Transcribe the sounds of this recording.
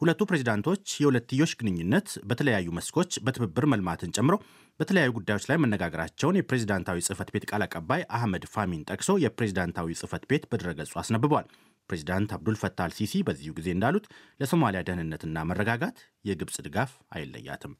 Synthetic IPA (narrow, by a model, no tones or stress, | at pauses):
hulət̪ːupɾe̞zid̪ant̪ʰo̞t͡ʃːjɛhulət̪ːɨjːo̞t͡ʃːɡɨnɨɲːunːət̪bət̪ʰələjajːuməskʰo̞t͡ʃːbət̪ʰɨβɨbːɨɾməlmat̪ʰɨnt͡ʃʼɛmːɨɾow | b̥ət̪ʰələjajːuɡud̪ːajwo̞t͡ʃlajmənːəɡaɡəɾa̰t͡ʃːɛwnjɛpɾe̞zid̪ant̪ʰawisʼɨfət̪be̞t̪kʼalakʼəbːajʔahməd̪famint̪ʼəkʼso̞jɛpɾe̞zid̪ant̪ʰawisʼɨfət̪be̞t̪bəd̪əɾəɡəsʼuasnəbːɨβwal | pɾe̞zid̪ant̪ʰabd̪ulfət̪ʰːalsisibəzːihuɡize̞ɨnd̪alut̪ləso̞malijad̪əhnɨnːət̪ʰɨnːamərːəɡaɡat̪ | jɛɡɨβsʼd̪ɨɡaf | a̰jɛlːə̰jːa̰t̪ʰɨm